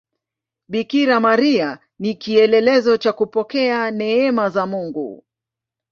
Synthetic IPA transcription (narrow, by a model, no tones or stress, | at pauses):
ɓikiɾamaɾia | nikiɛlɛlɛzɔt͡ʃakupɔkɛanɛɛmazamuŋɡṵ